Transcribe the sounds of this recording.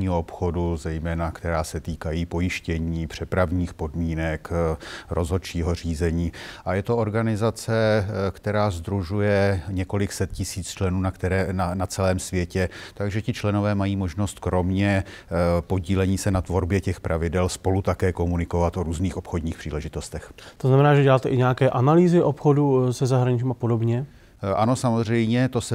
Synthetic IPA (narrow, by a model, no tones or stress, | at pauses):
ɲiːɦoopxo̞duzɛjmɛːnakt̪ɛɾaːsɛt̪iːkajiːpo̞jɪʃcɛɲiːpr̝̥ɛpɾavɲiːxpo̞dmiːnɛkɾʔo̞zɦo̞t͡ʃiːɦor̝iːzɛɲiːʔajɛt̪ooɾɡanɪzat͡sɛkt̪ɛɾaːzd̪ɾuʒujɛɲɛko̞lɪksɛt̪̚cɪsiːt͡st͡ʃlɛnuːnakt̪ɛɾɛanat͡sɛlɛːmsvjɛcɛt̪aɡʒɛcɪt͡ʃlɛno̞vɛːmajiːmo̞ʒno̞st̪kɾo̞mɲɛ | po̞ɟiːlɛɲiːsɛnat̪vo̞ɾbjɛcɛxpɾʔavɪdɛlspo̞lut̪akɛːko̞munɪko̞vat̪ʔoɾuːzniːxo̞pxo̞d̪ɲiːxpr̝̥iːlɛʒɪt̪o̞st̪ɛxt̪oznamɛnaːʒɛɟɛlaːt̪ɛʔɪɲɛjakɛːʔanaliːzɪʔopxodusɛzaɦɾaɲɪt͡ʃimapodobɲɛ | ʔano̞samozr̝ɛjɲɛt̪osɛ